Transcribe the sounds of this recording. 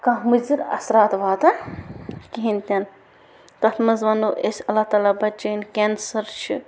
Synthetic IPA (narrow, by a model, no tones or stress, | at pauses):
kãɦmɨzɨɾɐ̰sɾaːt̪ʋaːt̪ɐ | kiɦinʲt̪ʲɐn | t̪ɐt̪ʰmɐzʋɐnoʔesʲɐlːat̪aːlaːbɐt͡ʃɐnkʲensɐɾt͡ʃʰi